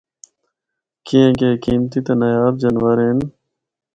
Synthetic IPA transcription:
kiẽkeːkiːmt̪it̪enɐjaːb̚d͡ʑɐnwəɾeːn

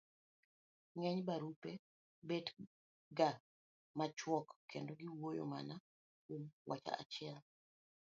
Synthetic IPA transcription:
ŋɛɲbaɾupe | bed | ɡa | mat͡ʃwɔkkːendoɡiwojo̰ma̰na | kwomwʔat͡ʃa̰a̰t͡ʃɪɛl

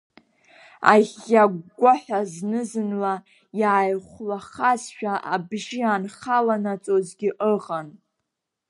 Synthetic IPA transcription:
a̰ʁʲaɡʷaħʷᶣaznɨzɨnla | jaːjχʷlaχazʃᶣaʔabʒianχalanat͡sʼozɡʲɪʔəʁan

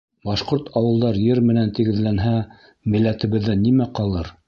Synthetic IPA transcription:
bɑʃqoɾt̪ʰɑwɤ̆lˠd̪ɑɾjɘɾmɘ̆nænt̪ɘ̆ɡɘ̆ðlænɦæ | mɘ̆lːæt̪ɘ̆βɘ̆ðːɘnimæqɑlˠɤɾ

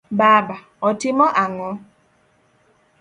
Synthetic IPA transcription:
baba | ɔtɪmɔʔaŋɔ

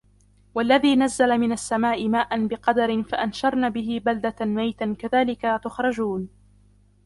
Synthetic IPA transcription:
walːaðiːnazːalamɪnasːamaːʔɪmaːʔanbɪqɑd̪ɑɾɪnfaʔanʃɑɾˤnaːbɪɦɪbald̪amajt̪akaðaːlɪkat̪ʊxɾˤɑd͡ʒuːn

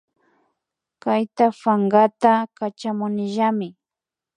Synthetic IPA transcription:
kajt̪afaŋɡat̪akat͡ʃamʊnɪʒamɪ

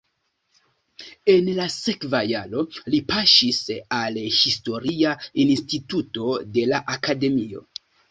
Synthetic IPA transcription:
e̞nlasekvajalo̞lipaʃisalhisto̞ɾiainstituto̞de̞laʔakade̞mio̞̰

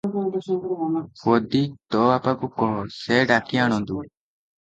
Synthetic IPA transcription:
fod̪it̪ɔapakukɔɦɔseɖakiaɽ̃ɔ̃nd̪u

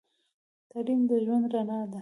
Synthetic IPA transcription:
t̪aɽimd̪əʒwand̪ɾanɑd̪a

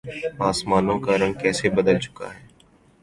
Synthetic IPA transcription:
aːsmaːnõkaɾə̃ŋkɛːsebɐd̪əlt͡ʃʊ̥ka̰ɦɛː

